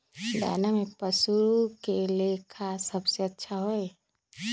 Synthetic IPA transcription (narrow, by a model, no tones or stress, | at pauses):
d̪a̰ːnamẽpəsuɾukeleːkʰasɐbseɐtːʃʰaɦoe